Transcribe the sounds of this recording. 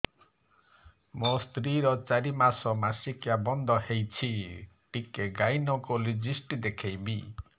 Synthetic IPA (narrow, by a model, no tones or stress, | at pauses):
most̪ɾiɾɔt͡ʃaɾimasɔmasikjabɔnd̪ʱɔɦejt͡ʃʰiʈikeɡajnɔkulid͡ʒisʈid̪ekʰejbi